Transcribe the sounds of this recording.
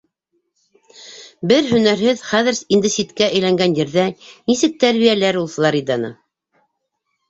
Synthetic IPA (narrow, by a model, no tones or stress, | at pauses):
bɘɾɦɵ̆næɾɦɘðχæðɘ̆ɾind̪ɘ̆sit̪kæʔɘ̆jlæŋɡænjɘ̆ɾðænisɘk̚t̪æɾβijælæɾulˠsɤ̆lˠɑɾid̪ɑnɤ̰